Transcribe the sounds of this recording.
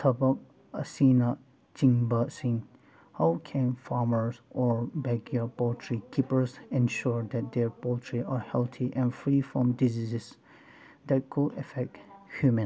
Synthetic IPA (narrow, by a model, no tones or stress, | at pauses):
tʰabak̚ | asina | t͡ʃĩŋbəsĩŋ | hawkʰɛ̃nfaɹməɹsʔɔɹbɛɡiəpɔltʰɹikʰipəɹsɛ̃nʃuɹd̪ɛt̚d̪ɛɹpɔtʰɹiʔaɹhɛlt̪ʰiʔɛ̃nfɹifɹɔ̃mdizizs | d̪ɛt̚kʰudəfɛk̚thjumə̃n